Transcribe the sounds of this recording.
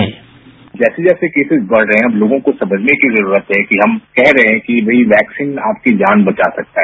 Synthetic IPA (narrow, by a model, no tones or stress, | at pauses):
d͡ʒɛːsed͡ʒɛːsekeːsɪzbɐɽ̤ɾɐɦɛ̃ɐbloːɡõkosɐ̃məd͡ʒʱnekizɐɾuːɾət̪ɦɛkiɦɐmkɛɦɾɐɦẽɦɛ̃kiʋɐɦiʋɛːksiːnaːp̚kid͡ʒaːnbɐt͡ʃaːsɐk̚t̪aɦɛː